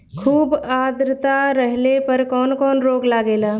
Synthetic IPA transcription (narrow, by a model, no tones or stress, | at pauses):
kʰuːbaːd̪ɾt̪aɾəɦlepəɾkɔːnkɔːnɾoːɡlaːɡeːlaː